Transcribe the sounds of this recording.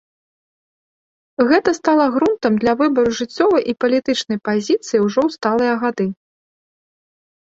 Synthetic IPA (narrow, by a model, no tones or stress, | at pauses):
ɣɛt̪ɐst̪alˠɐɣɾunt̪ɐmd̪lʲɐvɨbɐɾuʐɨt͡sʲːɔvɐjʔipɐlʲit̪ɨt͡ʂnɐjpazʲit̪sɨjiwʐɔwst̪alˠɨjɐɣad̪ɨ